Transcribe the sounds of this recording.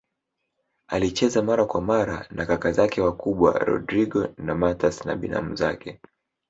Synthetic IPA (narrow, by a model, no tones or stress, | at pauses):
alit͡ʃɛzamaɾakwamaɾa̰nakakazakɛwakuɓwa̰ɾɔ̰dɾiɡɔnamatasna̰ɓina̰m̩zakɛ